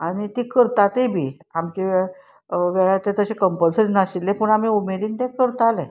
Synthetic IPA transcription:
aɽ̃it̪ikəɾt̪at̪ebʱiːamt͡ɕe | ʋɛɭat̪et̪əɕekəmpəlsəɾinaɕilːepəɳam̤iumed̪iːnt̪ẽkəɾt̪alẽ

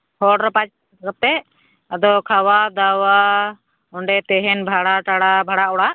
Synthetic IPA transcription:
hɔɽɾapat͡ʃ | kəp̚t̪ɛ | əd̪ɔkʰawad̪awa | ɔɳɖɛt̪ɛɦɛnbʱaɽaʈaɽabʱaɽaɔɽaʔ

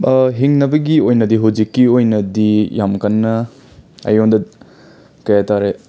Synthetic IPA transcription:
ɦiŋnɐbɐɡiojnɐdiɦuwd͡ʒikːiojnɐdijamkɐnːɐ | ɐ̰jondɐ | kɐjataɾe

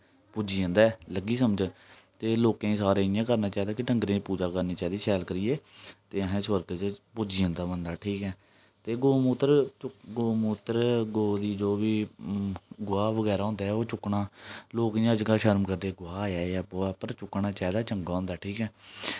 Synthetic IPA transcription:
pʊd͡ʒiːə̃nd̪aːləɡiːsəməd͡ʒət̪eːloːkẽːĩːsaːɾẽːɪjãːkəɾnaːt͡ʃaːid̪aːkɪʈəŋɡɾẽːpuːd͡ʒaːkəɾniːt͡ʃaːd̪iːsɛːlkəɾiːeːt̪eːəɦẽːsʋəɾɡət͡ʃpʊd͡ʒiːãːnd̪aːbənd̪aːʈʰiːkɛː | t̪eːɡoːmut̪əɾt͡ʃʊɡoːmuːt̪əɾɡoːd̪iːd͡ʒoːʋiː | ɡʊaːʋəɡɛːɾaːõːnd̪aːɦɛoːt͡ʃʊkːɳaːloːkijãːd͡ʒkaːʃəɾmkəɾd̪eːɡʊaːjaːjaːbaːpəɾt͡ʃʊknaːt͡ʃaːid̪aːt͡ʃəŋɡaːõːnd̪aːʈʰiːkɛː

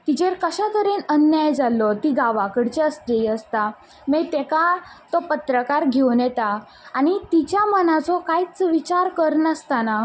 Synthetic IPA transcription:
t̪it͡ɕeɾkəɕat̪əɾenənjajd͡zalːɔt̪iɡaʋakəɽt͡ɕeəst̪eəst̪a | met̪ekat̪ɔpət̪ɾəkaɾɡʱewnjɛt̪aː | ñit̪it͡ɕjamənat͡sɔkajt͡sʋit͡ɕaɾkəɾnəst̪ana

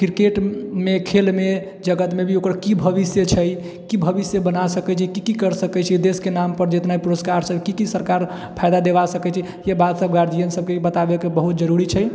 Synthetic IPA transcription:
kɾkeʈmekʰelme | d͡ʒəɡət̪mebʱiokɾkibʱəβisjət͡ʃʰəj | kibʱəbisjəbənasəkɛt͡ʃʰikikikəɾsəkɛt͡ʃʰid̪eskenampəɾd͡ʒet̪naipuɾəskaɾsəbkikisəɾkaɾ | pʰajd̪ad̪eβasəkɛt͡ʃʰi | jebat̪səb̚ɡaɾd̪ijənsəb̚kebət̪abekebəɦut̪̚d͡ʒəɾuɾit͡ʃʰəj

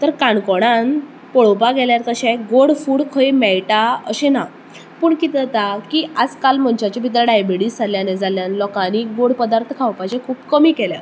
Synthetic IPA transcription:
t̪əɾkãɳkɔɽ̃an | pɔɭowpaɡɛljaɾt̪əɕɛ̃ɡoɽfuːɽkʰəjmɛɭʈaə̰ɕena | puːɳkit̪t̪akiad͡zkalm̤əɳt͡ɕat͡ɕebʱit̪̬ɾaɖajbeɽiːst͡sʰaljãned͡zaljãnlɔkãniɡoɽpəd̪aɾt̪ʰkʰawpajd͡ʑekʰuːbkəmiːkɛlja̰

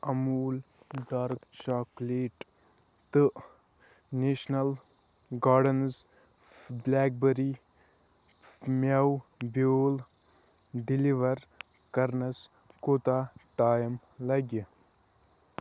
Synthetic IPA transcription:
ɐmuːlɖaːɾkt͡ʃaːkleːʈ | t̪ɨ | neʃnɐl | ɡaːɖɐnz | blaːk̚bəɾi | mɐwbjoːl | ɖiliʋɐɾ | kɐɾnɐs | koːt̪aːʈaːjm | lɐɡi

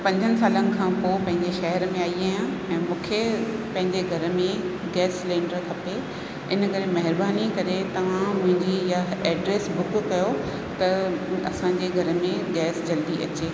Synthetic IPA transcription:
pɐ̃ɲd͡ʑʱənɪ̆saːlənɪ̆kʰãːpoːpɐ̃ɦɪ̃ɲd͡ʑeʃɐɦəɾmẽaːiaːjãɛ̃ːmũːkʰepɐ̃ɦɪ̃ɲd͡ʑeɡʱɐɾə̆mẽ | ɡɛːslẽːɳɖəɾkʰɐpe | ɪnəkɐɾemɐɦɪɾbaːnikɐɾet̪ɐʋ̤ãmʊ̃ɦɪ̃ɲd͡ʑijaɛːɖɾeːsbʊkkɐjo | t̪ɐɐsãɲd͡ʑeɡʱɐɾə̆mẽɡɛːsd͡ʑɐld̪iʔɐ̰t͡ɕeː

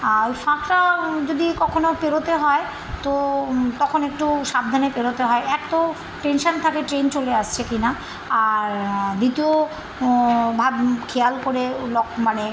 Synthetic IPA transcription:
aojfãkɾad͡ʑod̪ikɔkʰonopeɾot̪eɦɔe | t̪ot̪ɔkʰonek̚ʈuʃab̚d̪ʱanepeɾot̪eɦɔeɛk̚t̪o | ʈenʃant̪ʰakeʈɾent͡ɕoleaʃt͡ɕʰekina | aɾd̪it̪io | bʱabkʰealkoɾelɔkmane

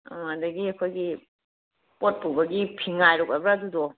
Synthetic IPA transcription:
amadɐɡiɐkʰojɡi | pot̚pubɐɡipʰiŋajɾok̚abɾadudɔ

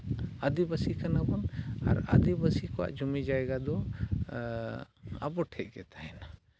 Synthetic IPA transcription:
əd̪ibəsikʰənabɔna̰ɾə̰d̪ibəsikɔa̰ʔd͡ʒumɛd͡ʒaɛɡad̪ɔ | ɐ̰bɔʈʰɛʔ̚ɡɛt̪ʰaɛna

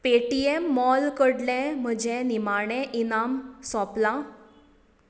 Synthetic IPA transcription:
peʈiemːɔlkəɽlɛ̃m̤əd͡ʑẽnimaɽ̃ɛ̃ʔinamsɔplã

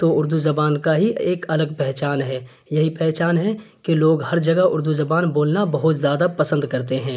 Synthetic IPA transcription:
t̪oːʊɾd̪uzɐbaːnkaɦieːkɐləɡ̚pɛɦt͡ʃaːnɦɛː | jɐɦipɛɦt͡ʃaːnɦɛkeloːɡhɐɾd͡ʒɐɡaʊ̰ɾd̪uzɐbaːnboːlnabɐɦʊt̪zjaːd̪apɐsə̃nd̪kɐɾt̪eɦɛ̃ː

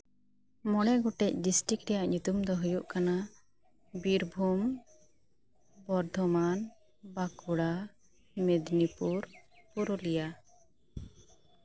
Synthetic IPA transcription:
mɔɽɛɡɔʈɛc̚ɖisʈikɾɛjaʔɲut̪umd̪ɔɦujuʔkana | biɾbʱum | bɔɾd̪ʱɔman | bakuɽa | med̪nipuɾpuɾɔlɛja

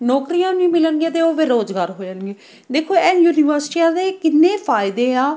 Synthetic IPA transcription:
nɔːkɾijãːnĩːmɪlənɡieːt̪eoːʋeːɾoːd͡ʒɡaːɾɦoːd͡ʒənɡeː | d̪eːkʰoːɛːjuːniːʋəɾsʈiːãːd̪eːkɪnːẽːpʰaːɪd̪eːaː

